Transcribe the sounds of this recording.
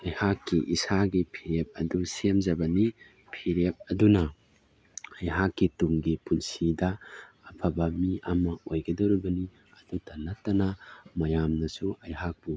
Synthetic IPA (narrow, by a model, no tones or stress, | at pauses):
ɐjhakːiʔisaɡipʰiɾep̚ɐdusemd͡ʒɐbɐni | pʰiɾep̚ɐdunɐ | ɐjɦakːituŋɡipunsidɐ | ɐpʰɐbɐmiɐmɐojɡɐdɐwɾɐbɐni | ɐd̥udɐnɐtːɐnɐmɐjamnɐsuɐjɦak̚bu